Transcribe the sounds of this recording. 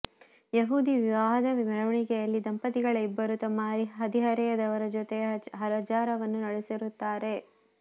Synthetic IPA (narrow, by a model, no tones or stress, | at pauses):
jeɦuːd̪iʋiʋaːɦɐd̪ɐʋimɐɾɐʋɐɳiɡɛjɐlːid̪ɐmpɐt̪iɡɐɭɐibːɐɾut̪ɐmːaɾiɦɐd̪iɦɐɾɛjɐd̪ɐʋɐɾɐd͡ʒot̪eɦɐɾɐd͡ʒaːɾɐʋɐnːunɐɭesiɾut̪ːaːɾe̞